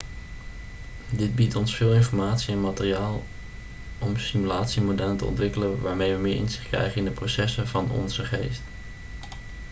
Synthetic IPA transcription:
dɪd̚bitɔnsfɪːlˠɪnfɔɹmaːtsiɛnmaːtɪriaːlˠ | ʔɔmsimylaːtsimodɛləntə̰ɔ̰ntʋɪkələʋaːɹmejʋəmɪːɹʔɪ̰nzɪχtkrɛ̰jχənɪndəprowsɛsəvɑnɔ̰nzəχejst

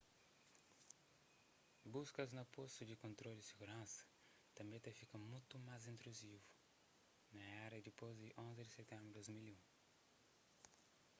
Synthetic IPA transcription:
buskɐznɐpost̪ud̪ikõnt̪ɾoldɪsiɡuɾɐ̃sɐ̥ | t̪ɐ̃mbẽt̪efikɐmũjt̪umajzĩnt̪ɾuzivu | nɐɛɾɐd̪ipozdiʔõnzid̪ɪset̪ẽmbɾd̪ozmiliũ

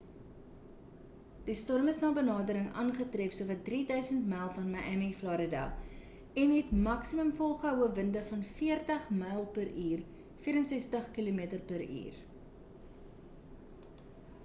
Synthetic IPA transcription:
d̥istɔrməsnɑːbənɑːdəɾəŋʔɑ̰ːnχətrefsuəvɐt̚dridœɥsəntmɛjlˠfɐnmɐʔæmiflɑːɾədæ̰lˠ | ɛnɦɛtmɐksiməmfɔlˠχəəwəvəndəfɐnfiərtəχməjlˠpəɾiːr | fiːɾənsɛstəχkilumiətərpəɾḭːr

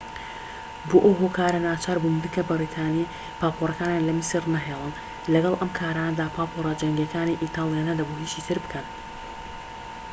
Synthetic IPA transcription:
boːʔɐwɦoːkʰaːɾɐnaːt͡ʃʰaːɾbumd̪ɨkʰɐbɨɾit̪ʰaːni | paːpʰorˤɐkaːnjanlɐmɨsɨrnɐɦeːlˠɨn | lɐɡɐlˠʔɐmkʰaːɾaːnɐd̪aːpʰaːpʰorˤɑd͡ʒɐŋɡekaːniʔit̪ʰaːlˠjaːnɐd̪ɐboɦiːʃiːt̪ʰɨɾbɨ̥kʰɐn

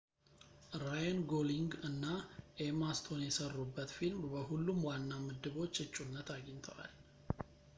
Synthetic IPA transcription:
ɾajanɡoliŋɡɨnːaʔemast̪ʰo̞njɛsərːubːət̪filmbəɦulːumwanːamɨd̪ːɨβo̞t͡ʃːɨt͡ʃʼːunːət̪aɡəɲt̪ʰəwa̰l

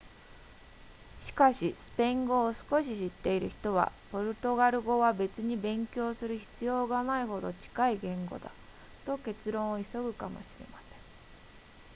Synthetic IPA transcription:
ɕi̥kaɕisɨ̥pẽ̞ŋɡo̞ːsɨ̥ko̞ɕiɕit̪ːe̞iɾɯ̟çi̥t̪o̞βa̰po̞ɾɯ̟t̪o̞ɡaɾɯ̟ɡo̞βabe̞t͡sɨɲ̟ibẽ̞ŋkʲo̞ːsɨɾɯ̟çi̥t͡sɨjo̞ːɡanaiɦo̞d̪o̞t͡ɕi̥kaiɡẽ̞ŋɡo̞̰d̪a̰ | t̪o̞ke̞t͡sɨɾõ̞ɰ̃oiso̞ɡɯ̟kamo̞̰ɕiɾe̞̰masẽ̞̥ŋ

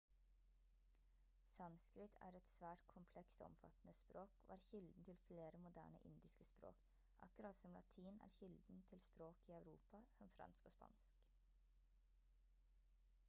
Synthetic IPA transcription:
sɑnskɾɪt̪ʰæ̰ːɾɛt̪sʋæːʈkʰʊmpʰlɛkst̪ɔ̰mfɑ̰t̪n̩əspɾoːko̰ːæːɾçɪld̪n̩t̪ʰɪlfleːɾəmʊd̪æ̰ːɳə̰ʔɪnd̪ɪskəspɾo̰ːk | ʔɑkɾɑt̪sɔmlʔɑ̰t̪ʰiːnæ̰ːɾçɪld̪n̩t̪ʰɪlspɾoːkiːɑʉɾuːpɑsɔmfɾɑ̰nskoːspɑ̰nsk

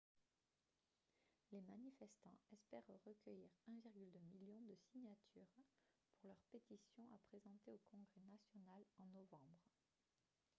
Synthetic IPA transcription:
lemanifɛst̪ɑ̃ɛspɛʁʁəkʲœjiʁɛ̃viʁɡʲyld̪ømiljɔ̃d̪əsiɲat̪ʰyʁ | puʁlœʁpet̪isjɔ̃ʔapχezɑ̃t̪eokɔ̃ɡʁɛnasjɔnalɑ̃nɔvɑ̃bʁ

